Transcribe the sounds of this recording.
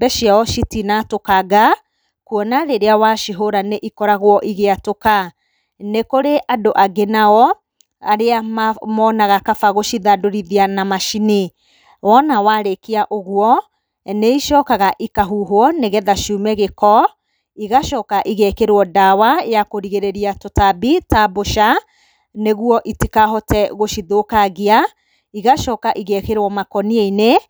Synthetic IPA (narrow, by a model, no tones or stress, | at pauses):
bɛʃiaɔʃitinatokaɡa | kuɔnaɾeɾeawaʃiɦoɾaneʔikɔɾaɣwɔʔiɣeatoka | nekoɾeʔadoʔaɡenaɔ | aɾeamamɔnaɣakafaɣoʃiðadoɾiðianamaʃine | wɔnawaɾekeaʔoɣwɔ | neiʃɔːkaɣaʔikaɦuɦoɔneɣɛðaʃumɛɣekɔ | iɣaʃɔkaʔiɣɛkeɾwɔdawajakoɾiɣeɾeɾiatotabitaboʃa | neɣuɔʔitikaɦɔtɛɣoʃiðokaɣia | iɣaʃɔkaʔiɣɛkeɾwɔmakɔnieine